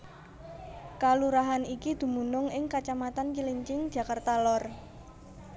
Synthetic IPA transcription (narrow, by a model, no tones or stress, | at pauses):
kaluɾaɦanikid̪̥ṳmunʊŋɪŋkat͡ʃamat̪ankiliɲt͡ʃɪŋ̥ʒ̥a̤kart̪alɔr